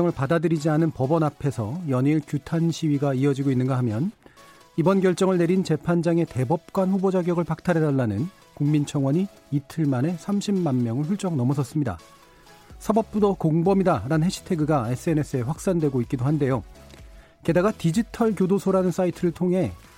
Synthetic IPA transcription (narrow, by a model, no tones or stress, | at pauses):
ʌŋɯɭpadadɯɾid͡ʑianɯnpʌbʌnapʰe̞sʰʌjʌɲiɭkjutʰanɕʰiɥiɡaiʌd͡ʑiɡoinːɯnɡaɦamjʌn | ibʌnɡjʌɭt͡ɕ͈ʌŋɯɭne̞ɾint͡ɕe̞pʰand͡ʑaŋe̞te̞bʌp̚k͈wanɸubod͡ʑaɡjʌɡɯɭpak̚tʰaɾe̞daɭːanɯn | kuŋmint͡ɕʰʌŋwʌɲiː | tʰɯɭmane̞sʰamɕʰimːanmjʌŋɯɭɸuɭt͡ɕ͈ʌŋnʌmʌsʰʌs͈ɯmɲida̰ | sʰabʌp̚p͈udʌkoŋbʌmidaɾanɯnɦeɕʰi̥tʰe̞ɡɯɡaes͈ʰɯe̞ne̞s͈ʰɯe̞ɸwak̚s͈andwe̞ɡoit̚k͈idohande̞jo | ke̞daɡatid͡ʑitʰʌɭkjodosʰoɾanɯns͈aitʰɯɾɯɭtʰoŋɦe̞